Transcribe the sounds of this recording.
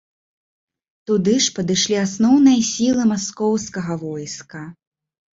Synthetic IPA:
t̪ud̪ɨʂpɐd̪ɨʂlʲiasnɔwnɨjɐsʲilˠɨmaskɔwskɐɣɐvɔjskɐ

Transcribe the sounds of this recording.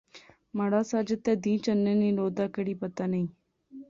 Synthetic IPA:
məɽaːsaːd͡ʒət̪eːd̪ĩːt͡ʃənːẽːnĩːloːd̪aːkəɽiːpət̪aːnəĩː

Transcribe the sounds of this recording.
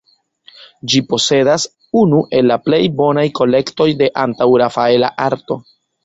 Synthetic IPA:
d͡ʒipo̞se̞das | unuʔe̞lːaple̞jbo̞najko̞le̞kto̞jde̞ʔantawɾafae̞la̰ʔaɾto̞

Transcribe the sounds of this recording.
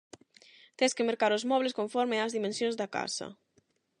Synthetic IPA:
t̪eskɪmeɾkaɾozmɔβleskõɱfɔɾmeazðimẽnsjõnzðaka̰sɐ̰

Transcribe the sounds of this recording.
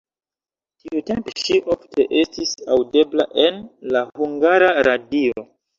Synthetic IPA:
tiute̞mpeʃiʔofte̞ʔe̞stisawde̞blaʔe̞nlahuŋɡaɾaɾadio̞

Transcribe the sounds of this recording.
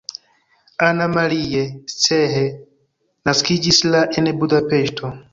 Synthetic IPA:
anamaɾiet͡seɦe | naskid͡ʒislaʔenbudape̞ʃtʰo

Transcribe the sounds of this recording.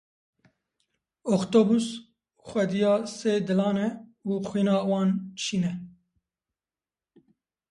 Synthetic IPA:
okt̪obus | xʷɛd̪ijɑːseːd̪ɨlɑːnɛuːxʷwiːnɑːwɑːnʃiːnɛ

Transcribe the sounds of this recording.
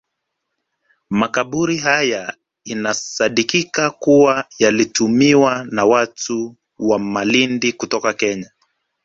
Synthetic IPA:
makaɓuɾiɦaja | inasaɗikikakuwajalitumiwanawatu | wamalindikutɔkakɛɲa

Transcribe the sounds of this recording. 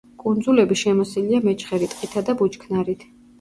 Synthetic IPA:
kʼund̪zulɛbiʃɛmɔsiliamɛt͡ʃʰʼχɛɾit̪ʼqʼit̪ʰad̪abut͡ʃkʰnaɾit̪ʰ

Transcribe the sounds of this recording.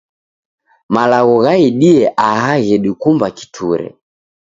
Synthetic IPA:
malaɣɔɣaiɗiɛʔahaɣɛɗikumbaki̥tʰuɾɛ̰

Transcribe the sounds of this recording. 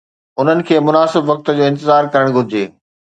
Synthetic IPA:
ʊn̤ənɪ̆kʰeːmʊnaːsɪbʋɐk̚t̪ə̆d͡ʑoːɪ̃nt̪ɪzaːɾkɐɾəɽ̃ɡʱʊɾɪd͡ʑeː

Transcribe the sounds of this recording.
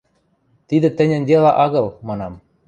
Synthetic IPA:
t̪id̪ɘ̆t̪ɘ̆nʲɘ̆nʲd̪elɑʔɑɣɤ̆lˠmɑnɑm

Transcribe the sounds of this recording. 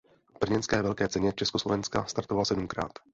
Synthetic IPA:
b̥r̩ɲɛnskɛːvɛlkɛːt͡sɛɲɛt͡ʃɛskoslovɛnska̰st̪aɾt̪ovalasɛdumkɾa̰ːt̪

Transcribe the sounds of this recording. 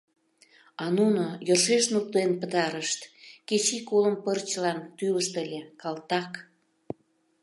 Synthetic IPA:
ɑnunojorʃeʃnuk̚t̪enpət̪ɑɾəʃt̪ket͡ɕikoləmpərt͡ɕəlɑnt̪yləʃt̪əlʲekɑlt̪ɑk

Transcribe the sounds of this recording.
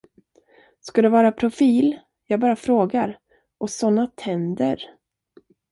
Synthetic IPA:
skad̪ɛvɑːɾapʰɾʊfiːl | jɑːɡbɑːɾafɾoːɡaɾ | ʔɔsɔnːat̪ʰɛnd̪əɾ

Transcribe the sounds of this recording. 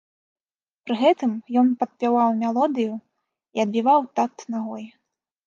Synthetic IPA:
pɾɨɣɛt̪ɨmjɔnpɐt̪̚pʲawawmʲɛlˠɔd̪ɨju | iɐd̪̚bʲivawt̪at̪naɣɔj

